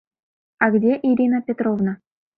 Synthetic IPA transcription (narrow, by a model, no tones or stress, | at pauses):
aɡdʲeʔiɾʲinapʲet̪ɾovna